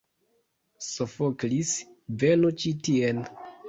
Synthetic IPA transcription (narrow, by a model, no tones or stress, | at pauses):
sofoklisvenut͡ʃitien